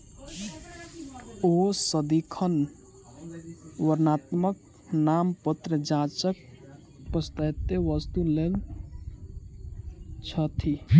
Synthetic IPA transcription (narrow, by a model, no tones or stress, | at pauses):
osəd̪ikʰən | wəɾnat̪mək | nampət̪ɾəd͡ʒãt͡ʃək̚ | pəst̪ət̪ːeʋʌst̪ulel | t͡ʃʰʌt̪ʰi